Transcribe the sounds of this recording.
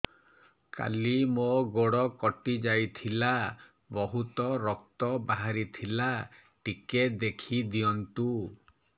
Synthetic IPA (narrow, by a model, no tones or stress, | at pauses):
ka̰limoɡoɽɔkɔʈid͡ʒajt̪ʰila | bɔɦut̪ɔɾɔk̚t̪ɔbaɦaɾit̪ʰila | ʈiked̪ekʰid̪iɔnt̪u